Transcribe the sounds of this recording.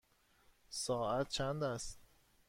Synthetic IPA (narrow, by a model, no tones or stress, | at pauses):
sɒːæt̪̚t͡ʃʰænd̪æst̪